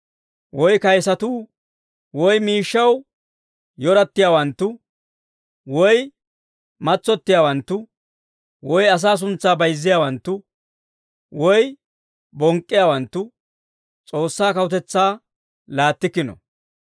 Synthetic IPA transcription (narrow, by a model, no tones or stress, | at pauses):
wɔjkɐjsɐt̪uː | wɔjmiːʃːɐw | jɔɾɐt̪ːɪjaːwɐnt̪ːʊ | wɔj | mɐt͡sːɔt̪ːɪjaːwɐnt̪ːʊ | wɔjɐs̬aːs̬ʊnt͡sːaːbɐjzːɪjaːwɐnt̪ːʊ | wɔj | bɔŋkʼːɪjaːwɐnt̪ːʊ | t͡sʼoːsːaːkɐwʊt̪ɛt͡sːaː | laːt̪ːɪkːɪnɔ̰